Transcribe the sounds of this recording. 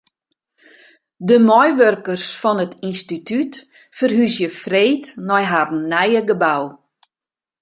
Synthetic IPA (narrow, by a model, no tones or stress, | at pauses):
dəmɔjʋørkərsfɔnətinstityt | fərɦysjəfreːtnɔjɦadn̩nɛjəɡəbaw